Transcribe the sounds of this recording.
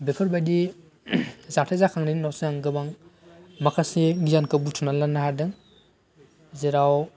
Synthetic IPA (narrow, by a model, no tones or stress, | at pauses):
bekʰɔɾbajdi | zatʰazakʰaŋninnɔwsaŋɡɯbaŋ | makʰaseɡijankabutʰunalanaɦaɾdɯŋ | zeɾaw